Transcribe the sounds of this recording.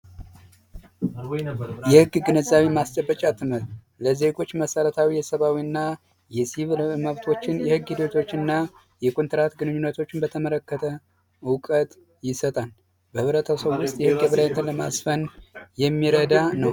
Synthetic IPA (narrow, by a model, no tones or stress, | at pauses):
jɛhɨɡːɡɨnəzːaβimast͡ʃʼəbːət͡ʃʼat̪ʰɨməɾ | ləze̞ɡo̞t͡ʃːməsələt̪ʰawijɛsəβawiɨnːa | jɛsiβlməβt̪ʰo̞t͡ʃːɪnjɛhɨɡːhid̪ot̪ʰo̞t͡ʃːɨnːa | jɛkʼunt̪ʰɨɾat̪ɡɨnɨɲːunːət̪ʰo̞t͡ʃːɪnbət̪ʰəmələkːət̪ʰə | wʊkʼət̪ʼ | jɪsət̪ʼal | bəhɨβɾət̪ʰasəwːʊst̪ʼjɛhɨɡːəβɨlajnt̪ʰɨnləmasfənjɛmːiɾəd̪anəw